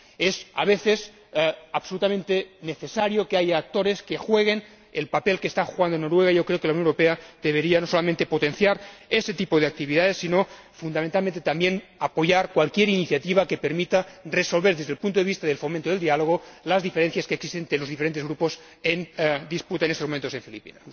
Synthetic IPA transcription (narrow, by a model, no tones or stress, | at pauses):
esa̰β̞eθes | aβso̞lut̪ament̪eneθesaɾjokeajaːk̚t̪o̞ɾeskexwe̞ɣ̞e̞n | elpapelkest̪axuɣand̪ono̞ɾweɣ̞aiʝo̞kɾeokelauwnoneɾopeaðeβ̞e̞ɾianoso̞lamẽnt̪e̞po̞t̪enθjaɾeset̪ipoð̞eak̚t̪iβiðaðesːino̞fund̪ament̪almẽnt̪et̪ambjenapo̞ʝaɾkwalkjeɾiniθjat̪iβ̞akepeɾmit̪areso̞lβeɾðezðelpunt̪oeβist̪aðelfomẽnt̪oðeld̪ialoɣ̞olazðifeɾen̟θjaskeːksist̪ent̪ɾelo̞zðifeɾent̪ezɣɾupo̞s | end̪isput̪aenest̪omoment̪oeɱfilipḭnas